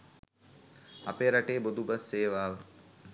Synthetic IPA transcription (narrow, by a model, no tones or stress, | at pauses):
apeːɾaʈeːbod̪ubasːeːʋaːʋə